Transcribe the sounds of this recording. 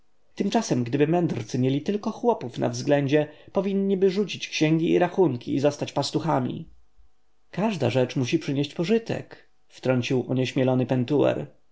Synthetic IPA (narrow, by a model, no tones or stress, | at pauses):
t̪ɘmt͡ʂasɛmɡd̪ɘbɘmɛnd̪ɾt̪sɨmʲjelʲit̪ɘlkɔxwɔpufnʔa̰vzɡlɛɲd͡ʑɛpɔvʲinːibɘʐut͡ɕit͡ɕkɕɛŋɡʲiiɾaxuŋkʲḭːzɔst̪at͡ɕpast̪uxamʲḭ | kaʐd̪a̰ʐɛt͡ʂmuɕipʂɘɲeɕt͡ɕpɔʐɘt̪ɛ̰k | ft̪ɾɔɲt͡ɕiwʔɔɲɛɕmʲjɛlɔnɘpɛnt̪uɛ̰ɾ